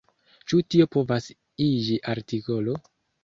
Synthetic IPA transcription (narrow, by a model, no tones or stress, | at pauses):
t͡ʃutio̞po̞vas | id͡ʒiʔaɾtiko̞lo̞